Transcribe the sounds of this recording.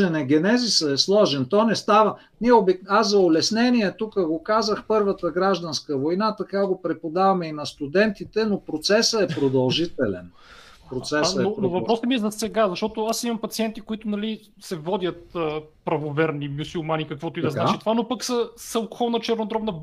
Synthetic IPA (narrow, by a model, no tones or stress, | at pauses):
ɛnɛɡɛnɛzisəɛslˠɔʒɛnt̪ɔnɛst̪avə | niɛobɛkaszɐʊlɛsnɛniɛt̪ukəɡokazəxpɤɾvət̪əɡɾaʒd̪ɐnskəvojnat̪ɐkaɡopɾɛpod̪avɐmɛinɐst̪ud̪ɛnt̪it̪ɛnopɾot̪sɛsəɛpɾod̪ɐlˠʒit̪ɛlɛ̰n | pɾot̪sɛsəɛopɾnoovɐpɾɔsɛmiɛzɐsɛɡazɐʃt̪ɔt̪oasimɐmpɐt̪siɛnt̪ikoit̪ʊnɐli | sɛvɔd̪ʲət̪əpɾɐvovɛɾnimusulˠmanikɐkvɔt̪oid̪ɐzat͡ʃit̪ovanopəksəsɐlˠko̥xɔlˠnət͡ʃɛɾnod̪ɾɔbnə